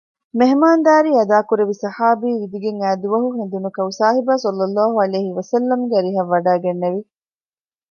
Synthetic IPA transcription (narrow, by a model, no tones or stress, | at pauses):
meɦmaːnd̪aːɾiːɐd̪aːkuɾeʋisɐħaːbiːʋid̪iɡeŋæːd̪uʋɐɦuɦend̪unukɐusaːɦibaːsɔlːɐlːaːɦuɐleːɦiʋɐsɐlːɐmɡeɐɾiɦɐʋːɐɖaːɡenːeʋi